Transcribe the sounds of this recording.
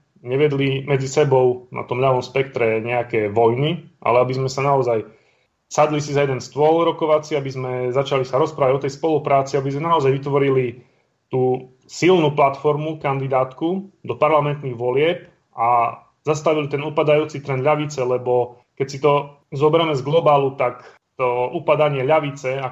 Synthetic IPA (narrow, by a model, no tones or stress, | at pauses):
ɲɛʋɪɛd̪limɛd͡zisɛbɔʊnʔa̰t̪ɔmʎaʋɔmspɛk̚t̪ɾɛɲɛakɛʋɔjniʔa̰lɛabizmɛsanaɔzaj | sad̪lisizajɛd̪ɛnst̪ʋɔlɾɔkɔʋat͡siabizmɛzat͡ʃalisaɾɔspɾaːʋaɔt̪ɛjspɔlupɾaːt͡siabizmɛnaɔzajʋit̪ʋɔɾili | t̪uː | silnuplat̪fɔɾmukand̪id̪aːt̪kud̪ɔpaɾlamɛnt̪niɣʋɔlɪɛp̚ | a | zast̪aʋilit̪ɛnupad̪ajuːt͡sit̪ɾɛnd̪ʎaʋit͡sɛlɛbɔ | kɛcsit̪ɔ | zɔbɛɾɛmɛzɡlɔbaːlut̪ak | t̪ɔupad̪aɲɪɛʎaʋit͡sɛa